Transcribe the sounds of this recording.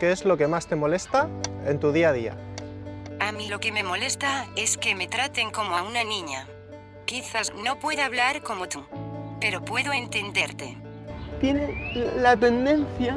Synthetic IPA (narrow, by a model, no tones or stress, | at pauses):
keezlo̞ke̞mast̪e̞mo̞lest̪aent̪uðiað̞ia̰ | amilo̞ke̞me̞mo̞le̞st̪ae̞ske̞me̞t̪ɾat̪e̞ŋko̞moaunanĩɲa̰ | kiθasno̞pwe̞ðoaβ̞laɾko̞mot̪upe̞ɾo̞pwe̞ðoe̞nt̪e̞nd̪e̞ɾt̪e̞̰ | t̪jenelat̪e̞nd̪e̞nθja